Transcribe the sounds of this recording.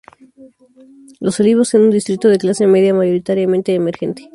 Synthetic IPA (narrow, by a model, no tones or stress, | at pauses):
lo̞soliβosenund̪ist̪ɾit̪o̞ðeklase̞me̞ðjamaʝo̞ɾit̪aɾjamẽnt̪e̞ːmeɾxe̞nt̪e̥